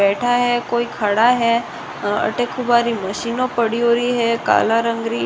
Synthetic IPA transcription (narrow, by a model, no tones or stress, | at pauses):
ɛːʈʰaɦɛkoːikʰɐɽaɦɛː | ɐ̰ʈekʰʊbaːɾimɐʃiːnõpəɽiɦoːɾiɦɛka̰ːlaɾə̃ŋɡɾi